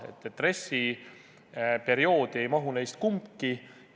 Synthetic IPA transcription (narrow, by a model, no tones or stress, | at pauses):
e̞̰t̪ˑːeːre̞sʲi | pe̞ɾio̞ːd̪̥ie̞jmɑɦune̞jst̪̚kumpki